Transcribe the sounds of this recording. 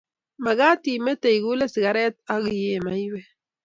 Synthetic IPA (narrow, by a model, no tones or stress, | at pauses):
maɣaːt̪imet̪ejɡulesɡaɾet̪̚aɣjemajwe